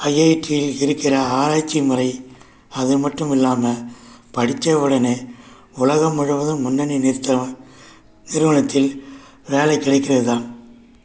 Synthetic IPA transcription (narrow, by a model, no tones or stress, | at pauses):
ɐjɐjʈːɪjɪlɪɾɯkːɪrɐaːɾaːt͡ʃːimʊrɐɪ | ɐðɯmɐʈrɯmɪlːaːmɐpɐɽɪt͡ʃːɐʋɯɽɐneː | ʊlɐɣɐmʊɻɐʋɐðɯmːʊnːɐnint̪ | nɪɾɯʋɐɳɐt̪ːɪl | ʋeːlɐɪkːɪɽɐɪkːɪrɐðɯðaːn